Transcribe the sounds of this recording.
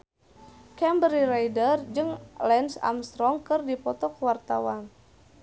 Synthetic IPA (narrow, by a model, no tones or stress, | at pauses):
kɛmbɾiɾajdərd͡ʒɨŋlɛnsa̰mst̪ɾɔŋkɨrdipɔt̪ɔkwart̪awan